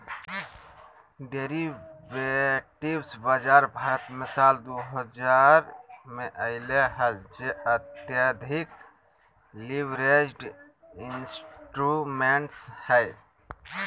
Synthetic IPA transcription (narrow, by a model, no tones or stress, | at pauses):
ɖeɾiʋeʈibsbad͡ʒaɾbʱaːɾət̪mesald̪oɦəd͡ʒaɾmeʔəɪleɦəld͡ʒeət̪jad̪ʱik | liʋɾed͡ʒɖ | insʈɾumeɳʈshəj